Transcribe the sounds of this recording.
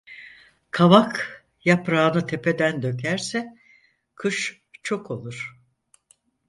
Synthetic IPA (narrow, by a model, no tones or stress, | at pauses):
kʰaβak | japɾaːnɯt̪ʰe̞pʰe̞d̪ænd̪ø̞cʰæɾsɛ | kʰɯʃ | t͡ʃʰo̞kʰo̞lˠuɾ̥